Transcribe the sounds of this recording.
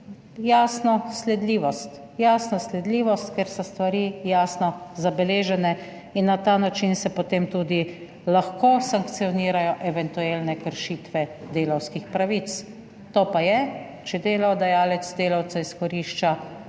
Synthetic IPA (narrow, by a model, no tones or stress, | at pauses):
jaːsnɔslɛd̪liːʋɔst̪ | jaːsnɔslɛd̪liːʋɔst̪keɾsɔst̪ʋaɾiːjaːsnɔzabɛleːʒɛnɛ | inːat̪aːnat͡ʃinsɛpot̪eːmt̪uːd̪i | laxkosaŋkt̪sijɔniːɾajɔʔɛʋɛnt̪ueːlnɛkəɾʃiːt̪ʋɛd̪eːlawskixpɾaʋit̪s | t̪oːpajɛ | t͡ʃɛd̪eːlawd̪ajaːlɛt̪sd̪eːlawt̪saiskɔɾiʃt͡ʃa